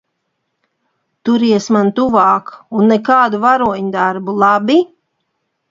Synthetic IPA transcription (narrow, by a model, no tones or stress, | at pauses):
t̪uɾiɛsmant̪uvɑːkunːɛkaːd̪uvaɾuɔɲd̪aɾbulˠabi